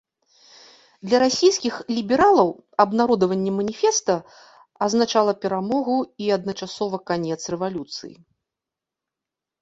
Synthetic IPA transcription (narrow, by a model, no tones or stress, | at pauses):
d̪lʲɐɾasʲijskʲixlʲibʲɛɾalˠɐw | ɐbnaɾɔd̪ɐvɐnʲːɛmɐnʲifʲɛst̪ɐ | ɐznat͡ʂalˠɐpʲɛɾamɔɣuiɐd̪̚nɐt͡ʂasɔvɐkanʲɛt̪srɛvalʲut̪sɨ̰jḭ